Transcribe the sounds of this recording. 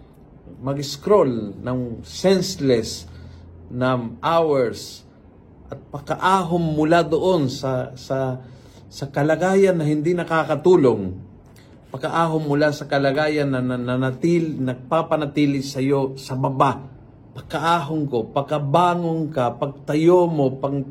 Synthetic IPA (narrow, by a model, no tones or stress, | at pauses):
mɐɡɪskɾolnɐŋsɛnslɛs | nɐŋʔawɛɹs | ʔɐt̪̚pɐkɐʔaːɦomːʊlad̪oʔo̞nsɐsɐ | sɐkɐlɐɡaːjɐnːɐhɪnd̪inɐkaːkɐt̪uːloŋ | pɐkɐʔaːɦomːʊlasɐkɐlɐɡaːjɐnːɐnɐnɐnɐt̪iːlɪnɐɡ̚papɐnɐt̪iːlɪsɐjosɐbɐba | pɐkːɐʔaːɦoŋkopɐkɐbaːŋoŋkɐpɐɡ̚t̪ɐjomopɐɡ